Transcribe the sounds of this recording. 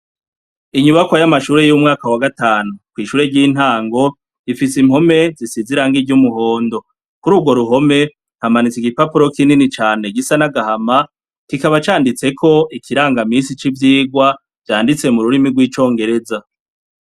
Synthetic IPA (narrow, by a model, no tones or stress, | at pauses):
iɲuβakwajamaʃuːɾe̞jumŋaːkawaɡataːnukwiːʃuːɾe̞ɟiːn̥haːŋɡo̞ | ifisim̥ho̞me̞zisiziɾaŋɡiɟumuɦo̞ːndo̞ | kuɾuːɡwo̞ɾuɦo̞me̞ | n̥hamanit͡siɡipapuɾo̞kininit͡ʃaːne̞ɡisanaɡahama | kikaβat͡ʃaːndit͡se̞kʰo̞ʔikʰiɾaːŋɡaminsit͡ʃivjiːɡwa | v̥jaːndit͡se̞muɾuɾimiɡwiːt͡ʃo̞ːŋɡe̞ɾe̞za